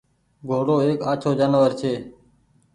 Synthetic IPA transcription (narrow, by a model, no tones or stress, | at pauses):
ɡʱoːɽoːeːkaːt͡ʃʰoːd͡ʒənʋəɾt͡ʃʰeː